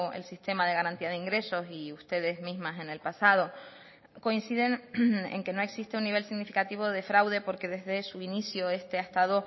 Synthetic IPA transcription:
ḛlsist̪e̞maðe̞ɣ̞aɾant̪iaðeiŋɡɾe̞so̞siust̪e̞ðe̞zmĩzmase̞ne̞lpasað̞o̞ | ko̞insiðe̞nḛŋke̞no̞e̞ksist̪eunːiβe̞lsiɣnifikat̪iβ̞o̞ðe̞fɾawðe̞po̞ɾke̞ðe̞zðe̞suinisjoe̞st̪e̞ast̪aðo̞

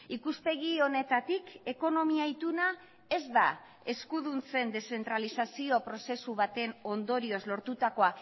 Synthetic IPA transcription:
ikuspe̞ɣio̞ne̞t̪at̪ike̞ko̞no̞miait̪una | e̞zd̪a | e̞skuðunt͡se̞nd̪e̞se̞nt̪ɾalisasio̞pɾo̞se̞suβ̞at̪e̞no̞nd̪o̞ɾio̞zlo̞ɾt̪ut̪ako̞a

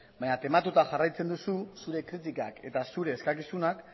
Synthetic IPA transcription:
baɲat̪e̞mat̪ut̪axarajt͡se̞nd̪ususuɾe̞kɾit̪ikake̞t̪asuɾe̞ːskakisunak

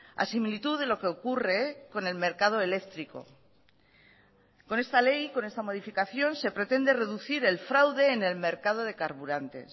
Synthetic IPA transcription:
a̰similit̪uðe̞lo̞ke̞o̞kure̞ko̞ne̞lme̞ɾkað̞o̞ele̞kt̪ɾiko̞̰ | ko̞ne̞st̪ale̞jko̞ne̞st̪amo̞ðifikaθjo̞nse̞pɾe̞t̪e̞nd̪e̞re̞ðuθiɾe̞lfɾawðe̞ːne̞lme̞ɾkað̞o̞ðe̞kaɾβuɾant̪e̞̰s

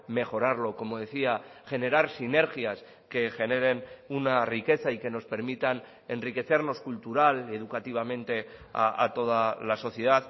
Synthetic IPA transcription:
me̞xo̞ɾaɾlo̞ko̞mo̞ðe̞θiaʝe̞ne̞ɾaɾsine̞ɾxjas | ke̞xe̞ne̞ɾe̞nunarike̞θaike̞no̞spe̞ɾmit̪an | e̞nrike̞θe̞ɾno̞skult̪uɾale̞ð̞ukat̪iβ̞amẽ̞nt̪e̞a̰ʔa̰t̪o̞ð̞alaso̞θje̞ð̞að

